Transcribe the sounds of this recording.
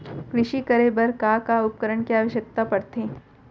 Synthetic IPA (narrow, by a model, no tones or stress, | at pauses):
kɾɪʃikɐɾebɐɾkakaʊp̚kəɾəɳkiaːʋəʃjək̚t̪apɐɽt̪ẽː